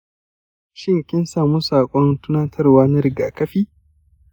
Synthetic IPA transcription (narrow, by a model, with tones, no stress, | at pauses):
ʃɪ˦ŋkʲɪ˦nsaː˨muː˦saː˨kʷʼɔ˦ntʊ˦nɐ˦ntʰɐ˦rwaː˦nɐ˦ɾɪ˨ɡaː˨kɐ˦ɸiː˦